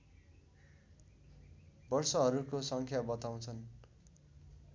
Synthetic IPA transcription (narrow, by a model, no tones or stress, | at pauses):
bʌrsʌɦʌɾukosʌŋkʰjabʌt̪aw̃t͡sʰʌn